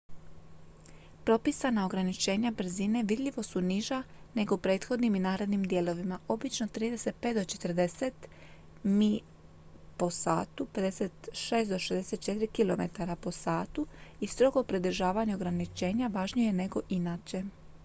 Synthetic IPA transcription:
pɾo̞pisanao̞ɡɾanit͡ʃe̞ːɲabr̩zine̞ʋid̪ʎʲiʋo̞suniʒane̞ɡo̞pɾeːt̪xo̞d̪niminaːɾe̞d̪nimd̪je̞ːlo̞ʋimaʔo̞bit͡ʃno̞t̪ɾiːd̪e̞set̪̚pet̪d̪ot͡ʃe̞t̪rd̪e̞set̪ | mi | po̞sa̰ːt̪upe̞d̪e̞set̪ʃeːsd̪o̞ʃezd̪ese̞t̪̚t͡ʃe̞t̪iɾikilo̞me̞̰t̪aɾapo̞saːt̪uist̪ɾo̞ɡo̞pɾed̪ɾ̩ʒaːʋaɲeo̞ɡɾanit͡ʃe̞ːɲaʋaʒɲije̞ne̞ɡo̞ʔinaːt͡ɕe̞

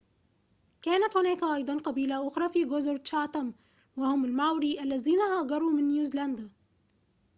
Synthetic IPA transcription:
kaːnat̪hʊnaːkʔɑjd̪ˤɑnqɑbiːlaʔʊxɾˤɑːfiːɡʊzʊɾt͡ʃɑːt̪ˤam | wahʊmalmawɾiʔalːaziːnahaːɡɑɾˤuːmɪnːjuːziland̪a

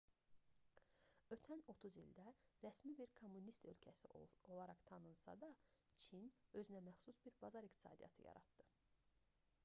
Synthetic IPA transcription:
ø̞t̪ʰæno̞t̪ʰuzild̪æɾæsmibiɾkʰo̞mːunist̪ø̞lcʰæsio̞lˠɑɾɑχt̪ʰɑnɯnsɑ̰d̪ɑt͡ʃʰinø̞zynæmæxsusbiɾbɑzɑɾikt̪i̥sɑ̰ːd̪ḭjɑ̰t̪ʰɯjɑ̰ɾɑ̰t̪d̪ɯ

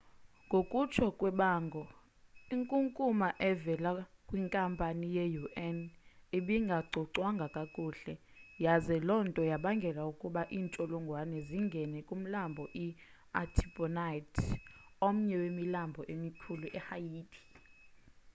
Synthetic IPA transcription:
ŋɡʱokʼut͡ʃʰɔkʼwɛɓaːŋɡʱɔ | iŋkʼuŋkʼumaʔɛvɛlakʼwiŋkʼampʼanijejuʔɛneɓiŋɡʱaɡ͡ǀʱɔǀwaŋɡʱakʼakʼuːɬɛ | jazɛlɔntʼɔjaɓaŋɡʱɛlaukʼuɓaʔiːnt͡ʃʼɔlɔŋɡʱwanɛziŋɡʱɛnɛkʼum̩lambʱɔʔi | atʰipʼɔnajtʰom̩ɲɛwemilambʱɔʔemikʰuluʔɛhajiːtʰʼi̥

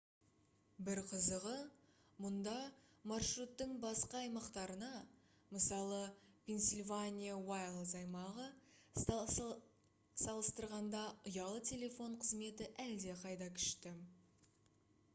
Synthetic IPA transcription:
bɪɾqʰəzəʁə | mʊnd̪ɑmɑrʃrut̪ːəɴbɑsqɑːjmɑqt̪ɑɾənɑ | məsɑlˠəpʲʰe̞nsʲilʲvanʲijawajlˠzɑjmɑʁə | sɑlˠəst̪əɾʁɑnd̪ɑʔʊjɑlˠət̪ʲʰe̞le̞fo̞ɴqʰəzme̞t̪ɪʔæld̪e̞qʰɑjd̪ɑkʲʰʏ̥ʃt̪ɪ

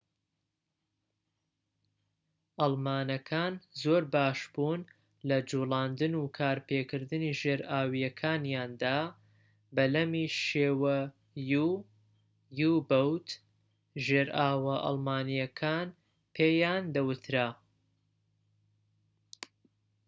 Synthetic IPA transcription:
ʔɑlˠmaːnɐkʰaːnzoːɾbaːʃbuːn | lɐd͡ʒuːlaːnd̪ɨnukʰaːɾpeːkɨɾd̪ɨniːʒeːɾʔaːwijɐkʰaːnjaːnd̪aː | bɐlɐmiʃeːwɐ | ju | jubɐwt̪ | ʒeːɾaːwɐʔɑ̰lˠmaːnijɐkʰaːn | pʰeːjaːnd̪ɐwɨt̪ʰɾa

